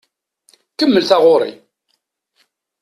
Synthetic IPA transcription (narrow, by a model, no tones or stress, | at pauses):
kəmːəlθɑʁʊɾˤḭ